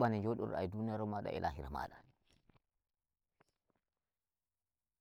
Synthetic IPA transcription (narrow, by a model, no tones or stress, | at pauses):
aniɲd͡ʒoɗṵɾa̰jdunijaɾɔmaɗa̰ʔḭlʔa̰ɦiɾama̰ːɗa